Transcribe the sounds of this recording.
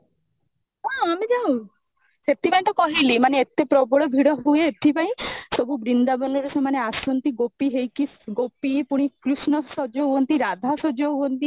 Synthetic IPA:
ɦɔ̃amid͡ʒaw̃ | set̪imeɳʈɔkɔɦilimaneet̪epɾɔbɔɭɔbʱiɽɔɦueːt̪ʰipaĩsɔbʱubɾind̪abɔlɔɾesemaneasɔnt̪iɡopiɦejkisɡopipuɽ̃ikɾusnɔsɔd͡ʒɔɦuɔnt̪iɾad̪ʱasɔd͡ʒɔuɔnt̪i

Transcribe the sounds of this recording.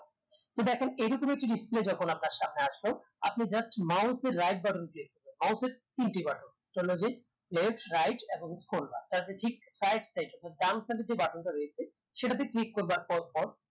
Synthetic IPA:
t̪od̪ɛkʰenejɾokomek̚ʈiɖispled͡ʑɔkʰonapnaɾʃamneaʃbo | a̰pnid͡ʑasʈmawseɾːajʈ̚baʈonkɾikkoɾbenmawseɾt̪inʈibaʈon | tolod͡ʑe | lefʈɾajʈeboŋskolba̰t̪aɾt̪eʈʰik | ɾajʈsajʈɔt̪ʰaɾd̪amsaʈed͡ʑebaʈʰonʈaɾojet͡ɕʰe | ʃeʈat̪ʰeklikːoɾbaɾpɔɾpɔɾ

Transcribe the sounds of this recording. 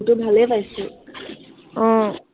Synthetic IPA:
tubʱalɛpajsɛ | ɔ̃

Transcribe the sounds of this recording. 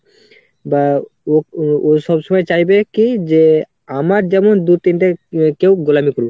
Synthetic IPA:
baooʃɔbʃɔmɔjet͡ɕajbekid͡ʑe | amaɾd͡ʑɛmond̪ut̪inʈakewɡolamikoɾu

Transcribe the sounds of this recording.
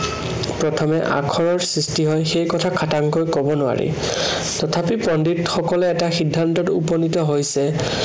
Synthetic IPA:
pɹɔtʰɔmɛ̰ʔa̰kʰɔɹɔɹsɹistiɦɔjxejkɔtʰakʰataŋkojkɔbɔnʊwa̰ɹḭ | tɔtʰapipɔnditxɔkɔlɛːtaxidʱːantɔtupɔnitɔɦojsɛ

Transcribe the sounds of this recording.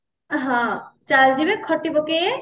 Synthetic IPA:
ɦãt͡ʃald͡ʒibekʰɔʈibɔke

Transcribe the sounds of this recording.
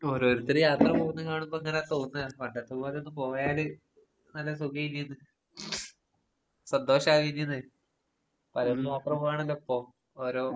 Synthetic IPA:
oɾoːɾut̪ːɐɾɨjaːt̪rɐpoːɣunːɨkaːɳumbo̞ːeŋːɐneaːt̪oːɣunːɐkɐɳɖɐt̪ːɨpo̞ːleonːɨpo̞ːjaːlɨ | nɐlːɐs̬uɡɐjinːɐnːɨ | sɐnd̪o̞ːɕɐaːkɐinːjinːɨ | pɐlɐljaːt̪rɐpoːʋɐɳɐlːɐopːo̞ː | oɾoː

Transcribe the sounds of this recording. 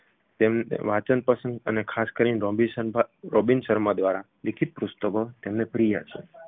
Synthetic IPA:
t̪emn̰ʋat͡ʃənpəsənd̪ənekʰaskəɾinɾobisəɾobinʃəɾmad̪ʋaɾa | likʰit̪̚pɾust̪əbot̪emnepɾija̰ʃʰḛ

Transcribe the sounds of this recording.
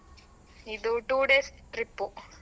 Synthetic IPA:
id̪uʈuːɖeːsʈɾipːu

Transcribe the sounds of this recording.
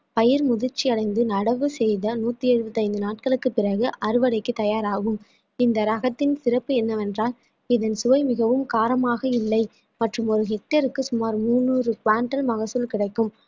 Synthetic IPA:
pɐjɪɾmʊðɪɾt͡ʃːiɐɽɐɪnd̪ɯnɐɽɐʋɯsɛjðɐnuːt̪ːɯɛɻɯbɐt̪ːɐɪnd̪ɯnaːʈ̚kɐɭɯkːɯpːɪɾɐɣɯʔɐɾɯʋɐɽɐɪkːɯt̪ːɐjaːɾaːɣɯm | ɪnd̪ɐɾɐɣɐt̪ːɪnsɪɾɐpːɯɛnːɐʋɛndraːl | ɪðɐnsʊʋɐɪmɪɣɐʋɯmkaːɾɐmaːɣɐɪlːɐɪ | mɐʈrɯmɔɾɯɦɛʈːɐɾɯkːɯsʊmaːɾmuːnːuːrɯkʋaːɳʈɐlmɐɣɐsɯlkɪɽɐɪkːɯm

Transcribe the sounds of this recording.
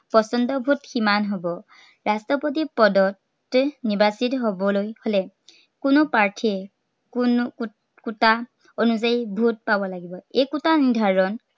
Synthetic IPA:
pɔsɔndɔbʱutximanɦobɔ | ɹastɔpot̬ipɔdɔt | nibasitɦobɔlojholɛ | kunʊpaɹtʰiɛ | kn | kuta | onuzaibʱut̚pabɔlaɡibɔejkutanidʱaɹɔn

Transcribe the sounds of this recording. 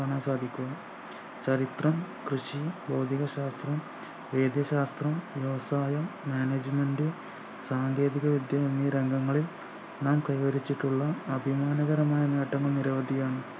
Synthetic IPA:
ɐɳɐsaːd̪ʱikʲːuɣɐ | t͡ɕɐɾit̪rɐm | krɨɕiboːd̪ʱiɣɐɕaːst̪rɐm | ʋe̞ːd̪jɐɕaːst̪rɐmʋjɐʋɐsaːjɐmjaːneːd͡ʑɨme̞ɳɖɨ | saːŋɡeːd̪iɣɐʋid̪jaːɐmiɐɾe̞ŋɡɐŋːɐɭil | naːmkɐjʋɐɾit͡ɕːiʈːuɭːɐːbʱimaːnɐɣɐɾɐmaːjɐneːʈːɐŋːɐɭniɾɐʋɐd̪ʱijaːɳɨ

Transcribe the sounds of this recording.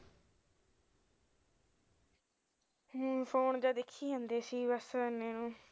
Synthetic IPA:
pʰoːnd͡ʒaːd̪ekʰːiːɦãːnd̪eːsiːbəsənːẽːnũː

